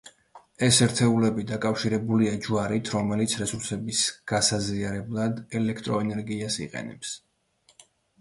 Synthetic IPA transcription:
ɛsɛɾt̪ʰɛulɛbid̪akʼafʃiɾɛbuliad͡ʒuaɾit̪ʰɾɔmɛlit̪sʰɾɛsuɾsɛbisɡ̥asaziaɾɛblˠad̪ɛlɛkʰt̪ʼɾɔɛnɛɾɡiasḭqʼɛ̰nɛ̰ps

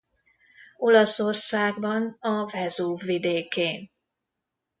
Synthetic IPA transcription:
o̞lɒso̞rsaːɡbɒnɒvɛzoːvːid̪eːkeːn

